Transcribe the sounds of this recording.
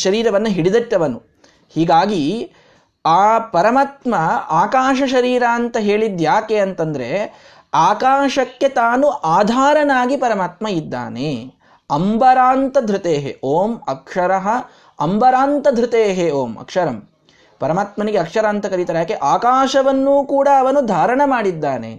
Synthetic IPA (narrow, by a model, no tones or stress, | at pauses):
ʃɐɾiːɾɐʋɐnːɐɦiɽid̪ɐʈːɐʋɐnːu | hiːɡaːɡi | aːpɐɾɐmaːt̪mɐaːkaːʃɐʃɐɾiːɾaːnt̪ɐɦeːɭid̪jaːkeɐnt̪ɐnd̪ɐɾe | aːkaːʃɐkːe̞t̪aːnuʔaːd̪ʱaːɾɐnaːɡipɐɾɐmaːt̪mɐid̪ːa̰ːneː | ɐmbɐɾaːnt̪ɐd̪ʱɾut̪eːɦḛʔoːmɐkʂɐɾɐɦɐ | ɐmbɐɾaːnt̪ɐd̪ʱɾɪt̪eːɦeoːmɐ̰kʂɐɾɐm | pɐɾɐmaːt̪mɐniɡeɐkʂɐɾaːnt̪ɐkɐɾit̪aːɾejaːkeʔaːkaːʃɐʋɐnːuːkuːɽaɐʋɐnud̪ʱaːɾɐɳɐmaːɽid̪ːaːnḛ